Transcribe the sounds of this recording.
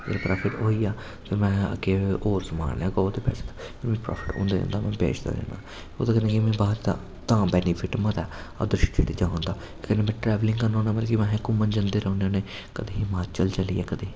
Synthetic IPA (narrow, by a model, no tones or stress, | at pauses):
ḛlpɾʔaːpʰɪʈoːiːaː | t̪ʰeːmɛ̃ːə̰kːeːʔoːɾsəma̰ːnɛ̃ːɡɔːt̪eːpɛ̰ːse̥ːt̪a | pʰemĩːpɾa̰ːpʰɪ̥ʈõ̰ːnd̪eːd͡ʒã̰ːnd̪aːmɛ̃ːpḛːt͡ʃd̪a̰ːd͡ʒa̰ːna̰ː | o̰ːd̪aːkənẽːkimɛ̃ːbaːɾt̪a̰ | t̪ãːbɛːnipʰɪʈmət̪ɛːɔ̰ːd̪ɾɪʃt͡ʃʰit̪iːd͡ʒãːnd̪aː | kɛneːmɛ̃ːʈɾɛːʋlɪ̃ŋɡkənõːnaːmɪlkimɛ̃ːɦɛ̃kʊmənd͡ʒənd̪eːɾəʊ̃nːneː | kəd̪eːɦɪmaːt͡ʃəlt͡ʃəliːɛːkəd̪eː